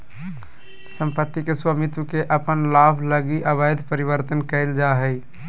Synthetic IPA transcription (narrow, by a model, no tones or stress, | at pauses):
sə̃mpət̪ːikeswəmit̪wkeʔəpənlaːbʱləɡiʔəbəjd̪ʱpəɾibəɾt̪ənkəɪld͡ʒaɦəɪ